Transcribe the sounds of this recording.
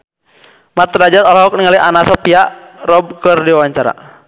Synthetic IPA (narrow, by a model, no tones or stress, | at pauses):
mat̪rad͡ʒat̪ɔlɦɔk̚niŋalianasɔpiarɔb̚kərdiwawaɲt͡ʃaɾa̰